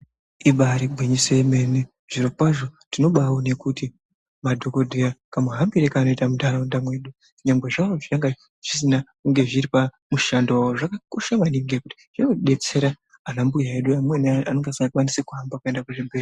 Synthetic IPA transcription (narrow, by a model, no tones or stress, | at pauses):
iɓaɾiɡʱwiɲiseme̞ne | ʐ̥iɾokwaʐo̞tino̞ɓawone̞kuti | madʱo̞ko̞dʱejakamuɦambiɾekaːno̞itamudaɾaundamwe̞ːɗu | ɲamɡwe̞ʐawoʐiaŋɡa | ʐ̥isinakuŋɡe̞ʐiɾipa | muʃandooʐakakoʃaʋaniŋɡekuti̥ʐ̥eoɗe̞t͡se̞ɾa | anambujaeɗuamwenianoŋɡasŋɡakwanisekuɦambakue̞ndakuʐimberi